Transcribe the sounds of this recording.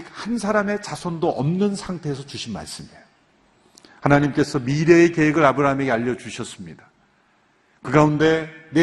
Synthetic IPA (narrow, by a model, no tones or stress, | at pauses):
k̚hansʰaɾame̞t͡ɕasʰondoʔʌmnɯnsʰaŋtʰe̞ːs̬ʰʌt͡ɕuɕʰinma̰ɭs͈ɯmi | hanaɲimk͈e̞sʰʌmiɾe̞ːke̞ɦeɡɯɾabɯɾaɦame̞ɡe̞aʎːʌt͡ɕuɕʰʌs͈ɯmɲidḁ | kɯɡaunde̞ne